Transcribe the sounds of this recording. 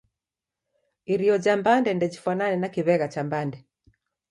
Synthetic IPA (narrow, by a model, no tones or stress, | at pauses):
iɾiɔd͡ʒambandɛndɛd͡ʒifwananɛnakiβɛɣat͡ʃambandɛ